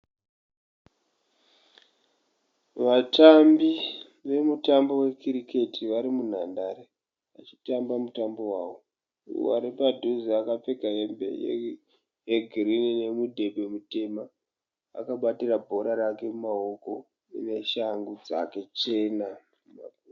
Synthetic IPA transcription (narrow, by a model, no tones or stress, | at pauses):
ʋatambi | ʋe̞mutambo̞we̞kiɾikʰe̞tʰiʋaɾimun̤andaɾe | ʋat͡ʃi̥tambamutambo̞waːwo | ṵwa̰ɾipadʱuziakap͡fe̞kaembḛj̰ | jeɡʱirinine̞mudʱe̞be̞mute̞ma̰ː | kaɓatirabʱo̞ɾaɾake̞mumao̞ko̞ | ine̞ʃaŋɡud͡za̰ke̞t͡ʃe̞na | muma̰